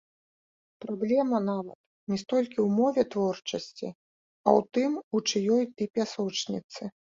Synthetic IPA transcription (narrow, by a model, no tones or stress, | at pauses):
pɾablʲɛmɐnavɐ̰t̪ | nʲɛst̪ɔlʲkʲiwmɔvʲɛt̪vɔrt͡ʂɐsʲt͡sʲḭ | ɐwt̪ɨmut͡ʂɨjɔjt̪ɨpʲasɔt͡ʂnʲit̪sɨ